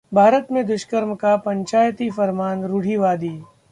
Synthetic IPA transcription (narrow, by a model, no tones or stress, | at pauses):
bʱaːɾət̪mẽd̪ʊʃkəɾmkapɐ̃ɲt͡ʃaːjt̪ifɐɾmaːnɾʊɽ̤iʋaːd̪iː